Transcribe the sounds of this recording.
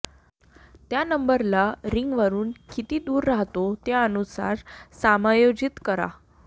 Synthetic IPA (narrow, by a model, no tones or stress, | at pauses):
t̪janəmbəɾlaɾiŋɡʋəɾuːnkit̪iːd̪uːɾːaɦt̪ot̪eənusa̰ɾsamajod͡ʑit̪kəɾa̰